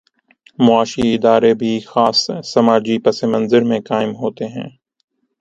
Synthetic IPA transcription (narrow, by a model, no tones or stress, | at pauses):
mʊaːʃiɪd̪aːɾebʱixaːsːɐmaːd͡ʒipɐsemɐ̃nzəɾmẽkaːɪmɦoːt̪eɦɛ̰̃ː